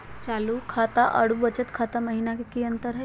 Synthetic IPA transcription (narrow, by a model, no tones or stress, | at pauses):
t͡ʃaːlukʰaːt̪aʔɐ̰ɽuʋət͡ʃət̪kʰaːt̪amɐɦinakekiə̃nt̪əɾɦɛ